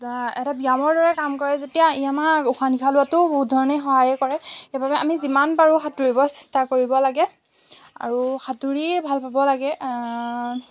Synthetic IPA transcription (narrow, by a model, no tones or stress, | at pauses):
ɛtabijamɔɹdɔɹɛkamkɔɹɛzetijaijamauxʰanikʰalʊatʊbuɦut̚dʱɔɹɔnexɔɦajɛkɔɹɛxebabɛʔa̰mizimanpaɹuxatuɹibɔsɛ̥stakoɹibɔlaɡɛ | a̰ɹuxatuɹibʱalpabɔlaɡɛ